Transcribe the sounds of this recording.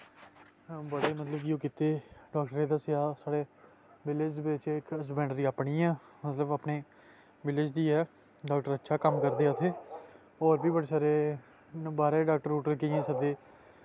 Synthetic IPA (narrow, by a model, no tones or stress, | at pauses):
bəɽeːmət̪ləbɡjũːkɪt̪eːɖaːkʈəɾeːd̪aːsɪaːsaːɽeː | ʋɪlɪd͡ʒbɪt͡ʃɪksbɛ̃ːɳɖɾiːaːpɳiːɛ̃ːmət̪ləbaːpɳeː | ʋɪlɪd͡ʒd̪iːɛː | ɖaːk̚ʈəɾətːʃʰaːkəmkəɾd̪eːət̪ʰeː | ɔːɾbiːbəɽeːsaːɾeː | nbaːɾeːɖaːkʈəɾuːʈəɾkɪẽːsəd̪eː